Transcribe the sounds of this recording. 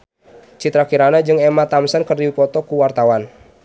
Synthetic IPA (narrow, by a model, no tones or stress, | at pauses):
t͡ʃit̪ɾakiɾanad͡ʒɨŋɛmat̪amsənkərdiwipɔt̪ɔkuwart̪awan